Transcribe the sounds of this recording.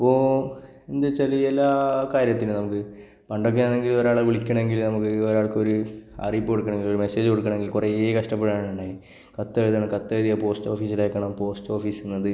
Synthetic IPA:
ɐpːo̞ː | end̪ɨt͡ɕːɐlielːaːkaːɾjɐt̪ːinunɐmukːɨ | pɐɳɖok̬ːeaneŋɡilo̞ɾaːɭeʋiɭikʲːɐɳɐe̞ŋɡilnɐmukːɨoɾaːɭkɨo̞ɾuɐ̰rijpːɨkoɽukːɐɳe̞ŋɡilo̞ɾume̞se̞ːd͡ʑɨkoɽukːɐɳ̃eŋɡilkureeːkɐʂʈɐpːeɽiaːɳɐɳɖaːji | kɐt̪ːeɻðaːɳɨkɐt̪ːeːðijapo̞ːsʈo̞ːfiːsilaːjkːɐɳɐmpo̞ːsʈo̞ːfiːsenːɐðɨ

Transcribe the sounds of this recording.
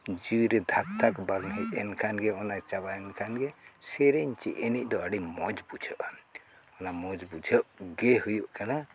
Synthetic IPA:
d͡ʒiwiɾɛd̪ʱak̚t̪akbaɡnaʔɛnkʰanɡɛɔnat͡ʃabaɛnkʰanɡɛsɛɾɛɲt͡ʃḭʔɛnic̚d̪ɔəɽimɔd͡ʒbud͡ʒʰʱəʔn | ɔnamɔd͡ʒbud͡ʒʱəʔɡɛhujuʔkana

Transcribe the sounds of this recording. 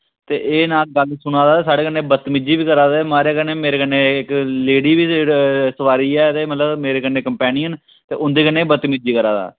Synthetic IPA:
t̪eːʔeːnaːlɡəlsʊɽ̃aːd̪aːeːsaːɽeːkənːeːbət̪mɪd͡ʒiːʋiːkəɾaːd̪amaːɾeːkəneːmeːɾeːkənːeːɪkleːɽiːʋiːsəʋaːɾiːɛːt̪eːmət̪ləbmeːɾeːkənːẽːkəmpɛːnɪjən | t̪ḛːʔʊnd̪eːkənːeːbət̪ːmɪd͡ʒiːkəɾaːd̪a̰ː

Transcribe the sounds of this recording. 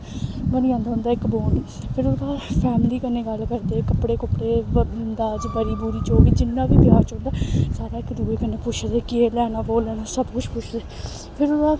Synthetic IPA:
bəniːãːnd̪aːɦʊ̃nd̪aːɪkboːn | pʰɪɾʊd̪aːpʰɛːmliːkənːẽːɡəlːkəɾd̪eːkəpɽeːkəpɽeːd̪aːd͡ʒbəɾiːbuːɾiːt͡ʃoːɡiːd͡ʒɪnːãːʋiːb̪jaːt͡ʃʊ̃ːnd̪aːsaːɾaːɪkd̪uːeːkənẽːpʊt͡ʃʰd̪eːkɪeːlɛːnaːboːlɛːnaːsəbkʊt͡ʃʰpʊt͡ʃʰd̪eː | pʰɪɾʊd̪aː

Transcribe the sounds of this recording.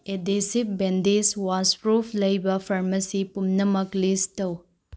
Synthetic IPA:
edesip̚bendiswaspɾupʰlɐjbɐpʰɐɾmɐsipumnɐmɐklistɐw

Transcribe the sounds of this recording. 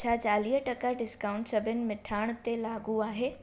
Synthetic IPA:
t͡ɕʰaːt͡ɕaːliːɦəʈɐkəɖɪskaːʊ̃ɳʈsɐbʱənɪ̆mɪʈʰaːɽ̃t̪elaːɡuaːɦeː

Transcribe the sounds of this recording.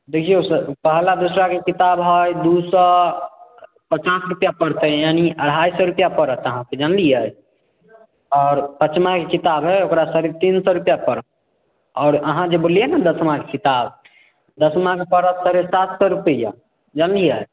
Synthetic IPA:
d̪ekʰijesəpəɦlad̪usɾakekit̪abɦɔjd̪usɔ | pət͡ʃasɾupjapəɾt̪əjaniəɽ̤ʱɦajsɔɾupjapəɾət̪əɦãked͡ʒənlijəj | ɔːɾpət͡ʃmakekit̪abɦɔjokɾasəɾit̪insɔɾupjapəɾət̪̚ | ɔːɾəɦãd͡ʒebolijenəd̪əsmãkekit̪ab | d̪əsmãkepəɾət̪səɾesat̪sɔɾupəja̰ | d͡ʒənlijə

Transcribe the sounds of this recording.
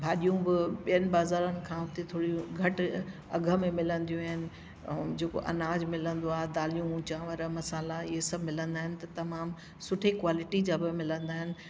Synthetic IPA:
bʱaːɗijũbɪɓijənɪ̆baːzaːɾənɪ̆kʰãːɦʊt̪et̪ʰoːɽijũɡʱɐʈ | ɐɡʱə̆mẽmɪlə̃nd̪ijũaːɦɪnɪ̆ | d͡ʑeːko̰ʔɐ̰naːd͡ʑmɪlə̃nd̪oaːɦed̪aːlijũũt͡ɕãːʋɐɾəmɐsaːlaɪɦesɐbʱmɪlə̃nd̪aːɦɪ̃nɪ̆t̪ɐt̪ɐmaːm | sʊʈʰekʋaːlɪʈid͡ʑaːbɪmɪlə̃nd̪aːɦɪnɪ̆

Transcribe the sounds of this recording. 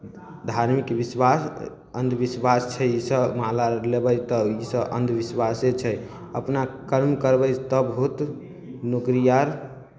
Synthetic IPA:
d̪ʱaɾmikbiswas | ə̰nd̪ʱbiswast͡ʃʰɛisəbmalalebəjt̪ɔisəʔə̰nd̪ʱbiswaset͡ʃʰɛj | ə̰pnakəɾmkəɾbəjt̪ɔbəɦut̪ | nukɾijaɾ

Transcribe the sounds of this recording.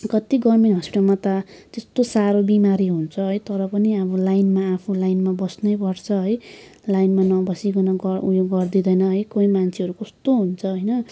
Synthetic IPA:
kʌt̪iɡʌrmeɳʈɦʌspiʈalmʌt̪at̪est̪osaɾobimaɾiɦunt͡sʰʌɦʌjt̪ʌɾʌpʌniʌbʌlajnmaːpʰulajnmabʌsnʌjpʌɽt͡sʰʌɦʌj | lajnmanʌbʌsikunʌɡʌujoɡɡʌrd̪id̪ʌjnʌɦʌjkoĩmant͡sʰeɦʌɾukʌst̪oɦunt͡sʰʌɦʌjnʌ

